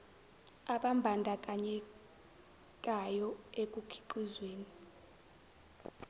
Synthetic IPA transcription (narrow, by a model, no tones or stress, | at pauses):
aɓambʱandʱakʼaɲɛ | kʼajɔekʼukʰi̥ǃizweːni